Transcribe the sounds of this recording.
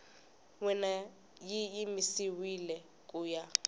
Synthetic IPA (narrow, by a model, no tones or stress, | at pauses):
wɛna | jiːmisiwilɛ | kʼuːja